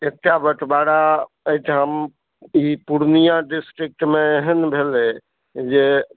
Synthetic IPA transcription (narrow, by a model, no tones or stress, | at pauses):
ek̚ʈabəʈʰbaɽa | əjʈ̪ʰɦəm | ipuɾnijaɖisʈɾik̚ʈmeɦənbʱele | d͡ʒe